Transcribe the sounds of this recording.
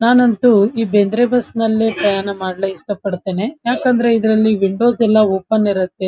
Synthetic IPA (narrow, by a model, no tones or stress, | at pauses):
naːnɐnt̪uiːbend̪ɾebɐsnɐlːe̞ːpɾɐjaːɳɐmaːɽleiʂʈɐpɐɽt̪e̞ːnejaːkɐnd̪ɐɾe̞id̪ɾɐlːiʋiɳɖo̞ːzɛlːɐoːpɐnːiɾɐt̪ːe̞